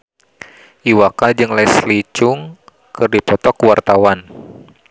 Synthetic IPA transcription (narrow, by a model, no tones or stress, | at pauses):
ʔiwakad͡ʒɨŋlɛjslit͡ʃʊŋ | kɨrdipɔt̪ɔkuwart̪awan